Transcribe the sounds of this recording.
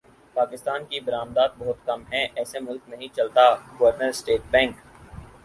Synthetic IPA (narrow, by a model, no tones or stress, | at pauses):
paːkɪst̪aːnkibɐɾaːmd̪aːt̪̚bɔɦʊt̪kɐmɦɛ̃ʔɛːsemʊlknɐɦĩt͡ʃɐlt̪aɡɐʋəɾnəɾsʈeːʈbɛ̃ːŋk